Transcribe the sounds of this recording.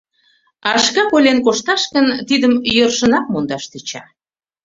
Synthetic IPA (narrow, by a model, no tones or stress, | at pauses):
ɑʃkɑpolʲenkoʃt̪ɑʃkənt̪id̪əmjørʃə̆nɑk̚mond̪ɑʃt̪et͡ɕɑ̰